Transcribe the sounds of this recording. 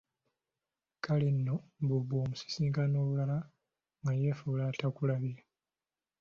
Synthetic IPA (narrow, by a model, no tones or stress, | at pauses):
kalinːo̞bubːoːmusi̥siːŋɡano̞ːβulala | ŋɡaje̞ːfulaːtakulaβja